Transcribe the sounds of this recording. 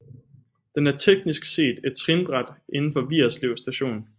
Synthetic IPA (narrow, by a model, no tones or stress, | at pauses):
d̥enæɐt͡sʰeɡ̥nisɡ̥se̝̰ːd̥e̝d̥̚t͡sʰʁinb̥ʁad̥ʔe̝nn̩fɒ̽ʋḭɐsle̝ʊ̰sd̥æɕo̝̰ːnn̩